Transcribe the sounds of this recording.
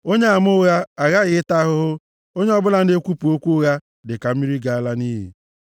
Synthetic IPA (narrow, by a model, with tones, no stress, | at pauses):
o˦ɲe˦a˨m˦ʊ˦ɣa˦a˨ɣa˦ɣɪ˨˦ɪ˦ta˦ɦʊ˦ɦʊ˦ | o˦ɲe˦ɔ˦bʊ˦la˨n̩˦de˦kʷu˦pu˨o˦kʷu˦ʊ˦ɣa˦ | dɪ˨ka˨m̩˦mi˦ɾi˦ɡa˨a˦la˦ni˦ɦḭ˨